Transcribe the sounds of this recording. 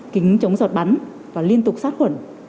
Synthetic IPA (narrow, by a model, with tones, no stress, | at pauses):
kï˨˦ŋ̟t͡ɕə˨˦wŋ͡mzɔ˨˩t̚ɓa˨˦n | vaː˨˩li˧ənt̪ʊ˨˩k͡p̚saː˦˥t̚xwə̰˧˩˨n